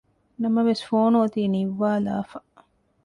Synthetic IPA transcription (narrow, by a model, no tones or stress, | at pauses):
nɐmɐʋesfoːnuɐt̪iːniʋːaːla̰ːfɐ